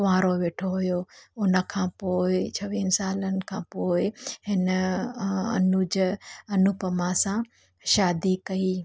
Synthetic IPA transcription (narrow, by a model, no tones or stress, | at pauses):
ʋaːɾoʋeːʈʰoɦʊjoːʊnə̆kʰãːpoːɪt͡ɕʰɐʋiːnɪsaːlənɪ̆kʰãːpoːɪɦɪn | ɐ̰nud͡ʑɐnʊpəmãsã | ʃaːd̪ikɐiː